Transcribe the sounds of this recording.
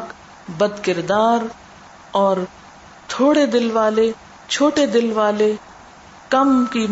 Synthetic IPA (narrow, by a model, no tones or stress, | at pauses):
k | bɐd̪kɪɾd̪aːɾ | ɔːɾ | t̪ʰoːɽed̪ɪlʋaːle | t͡ʃʰoːʈed̪ɪlʋaːle | kɐmki